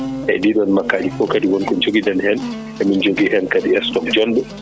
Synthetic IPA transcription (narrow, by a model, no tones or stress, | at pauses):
ʔɛ̰diɗɔnmakːad͡ʒifɔkadiwɔnkɔnd͡ʒoɡidɛnhɛn | ɛmind͡ʒoɡiʔɛnkadiɛstɔkd͡ʒɔnbɛ